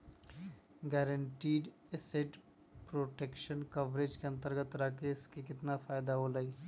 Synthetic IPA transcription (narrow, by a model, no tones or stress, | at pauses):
ɡɛːɾəɳʈiːɖ | eseːʈ | pɾoːʈeːkʃənkɐʋɾed͡ʒkeɐ̃nt̪əɾɡət̪ɾakeskekɪt̪nafʰaːɪd̪aɦoləiː